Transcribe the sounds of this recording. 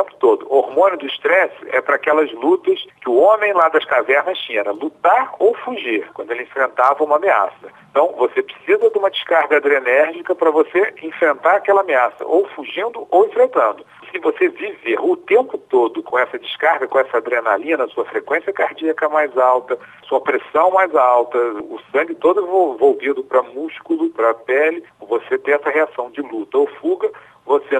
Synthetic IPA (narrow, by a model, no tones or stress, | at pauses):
ẽmpʊ̥t̪od̪ʊoɾmõnʊd̪ʊiʃt̪ɾɛsɪɛ̰pɾɐaːkɛlɐzlut̪ɐskɪʊõmẽj̃lad̪ɐskavɛɾnɐst͡ʃĩɲ̃ɛɾɐlut̪aɾowfuʒiɾkwɐ̃nd̪ʊelɪẽfɾẽnt̪avɐũmɐamea̰sɐẽt̪ɐ̃w̃vosepɾɪsizɐd̪ɪũmɐd͡ʒɪʃkaɾɡɐad̪ɾenɛɾʒikɐpɾɐvoseẽfɾẽnt̪aɾakɛlɐameasɐ̰ʔowfuʒĩnd̪ʊʔowẽfɾẽnt̪ɐ̃nd̪ʊ | sɪvoseviveɾʊt̪ẽmpʊt̪od̪ʊkõɛsɐd͡ʒɪʃkaɾɡɐkõɛsɐad̪ɾena̰lĩɐnɐsuɐfɾekwẽsijɐkaɾd͡ʒiɐkɐmajzawt̪ɐɐsuɐpɾesɐ̃w̃majzawt̪ɐʊ̰sɐ̃ŋɡɪt̪od̪ʊẽvovowvid̪ʊpɾɐmuʃkulʊpɾɐpɛlɪvoset̪ẽj̃ɛsɐheasɐ̃w̃d͡ʒɪlut̪ɐowfuɡɐ | vose